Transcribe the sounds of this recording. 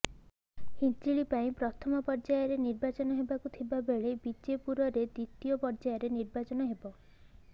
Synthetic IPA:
hit͡ʃiɭipaĩpɾɔt̪ʰɔmɔpɔɾd͡ʒajɔɾeniɾbat͡ʃɔnɔɦebakut̪ʰibabeɭebid͡ʒepuɾɔɾed̪it̪ijɔpɔɾd͡ʒajɔɾeniɾbat͡ʃɔnɔɦebɔ

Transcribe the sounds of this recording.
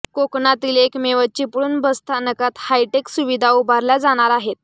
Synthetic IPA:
koknat̪iːlekmeʋət͡ɕiːpɽuːnbəst̪ʰanəkat̪hajʈeksuʋid̪ʱaubʱaɾlad͡zaɽ̃aɾaɦet̪̚

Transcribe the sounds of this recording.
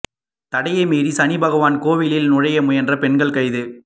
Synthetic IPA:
t̪ɐɽɐjɐmeːɾisɐnɪbɐɣɐʋaːnkoːʋɪlɪlnʊɻɐjɐmʊjɐndrɐpɛnɡɐɭkɐɪðɯ

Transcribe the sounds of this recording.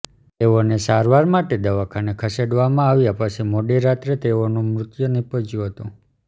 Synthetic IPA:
t̪eonesaɾʋaɾmaʈed̪əʋakʰanekʰəseɖʋamãaʋjapəsemoɖiɾat̪ɾet̪eonũmɾʊt̪jənipəd͡ʒjuɦət̪ũ

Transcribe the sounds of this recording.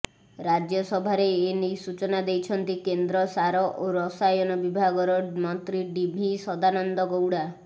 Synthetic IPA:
ɾad͡ʒjɔsɔbʱaɾeːnisut͡ʃɔnad̪ejt͡ʃʰɔnt̪ikend̪ɾɔsaɾɔʔoɾɔsajɔnɔbibʱaɡɔɾɔmɔnt̪ɾiɖibʱisɔd̪anɔnd̪ɔɡowɽa

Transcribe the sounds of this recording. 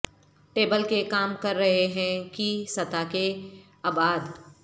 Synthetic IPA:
ʈeːbəlkekaːmkɐɾːɐɦeɦɛ̃kisɐt̪ake | aːbaːd̪

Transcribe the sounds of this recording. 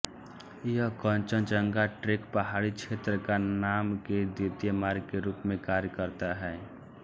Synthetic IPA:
jəkənt͡ʃənt͡ʃəŋɡaʈɾekpəɦaɽit͡ʃʰet̪ɾəkanamked̪id̪jemaɾɡkeɾupmẽkaɾjəkəɾt̪aɦɛː

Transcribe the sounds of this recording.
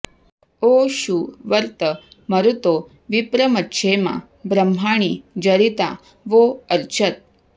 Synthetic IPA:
oʃuʋəɾt̪əməɾut̪o | ʋipɾəmətːɕʰemã̰ | bɾəm̤ʱaɳ̃id͡ʒəɾit̪a | ʋoəɾt͡ʃʰət̪̚

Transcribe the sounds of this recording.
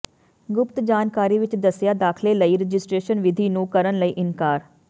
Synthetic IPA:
ɡʊpt̪d͡ʒaːnkaːɾiːʋɪt͡ʃd̪əsjaːd̪aːkʰleːləiːɾəd͡ʒɪsʈɾeːʃənʋɪd̪ʱiːnũːkəɾənləiːʔɪnkaːɾ

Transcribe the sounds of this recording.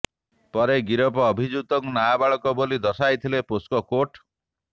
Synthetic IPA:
pɔɾeɡiɾɔp̬ɔːbʱid͡ʒut̪ɔŋknaabaɭɔkɔbolid̪ɔsajt̪ʰileposkɔkoʈ

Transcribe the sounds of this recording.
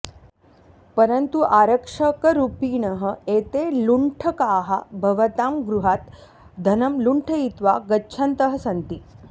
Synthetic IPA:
pəɾənt̪uʔaɾəkʂəkəɾupiːnəɦə̆et̪eluɳʈʰəkaːɦabʱɐʋət̪amɡɾuɦat̪ | d̪ʱɐnɐmluɳʈʰəit̪ʋaɡətːɕʰɐnt̪əɦəsɐnt̪i

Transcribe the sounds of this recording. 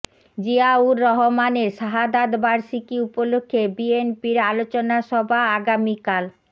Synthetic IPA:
d͡ʑiauɾɔɦomaneɾʃaɦad̪ad̪baɾʃikiupolokʰːebienpiɾalot͡ɕonaʃɔbʱaaɡamikal

